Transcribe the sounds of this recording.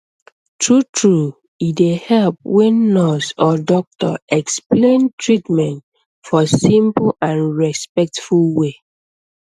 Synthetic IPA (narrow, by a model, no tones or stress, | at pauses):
tʰɹutʰɹu | idehɛlp̚wɛ̃nːɔsɔdɔk̚tɔ̰ɛksplẽntʰɹitmɛ̃nt | fɔsĩmpl̩ãnɹɛspɛk̚tfulwe